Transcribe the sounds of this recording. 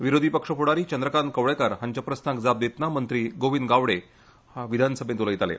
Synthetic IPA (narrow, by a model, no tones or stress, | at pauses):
ʋiɾod̪ʱiːpəkʂəpuɽaɾiːt͡ɕənd̪ɾəkankəʋɭekaɾɦaɲt͡ɕjapɾəsnakd͡zab̚d̪et̪namənt̪ɾiːɡoʋinɡaʋɽe | haʋid̪ʱansəbʱẽt̪uləjit̪alḛ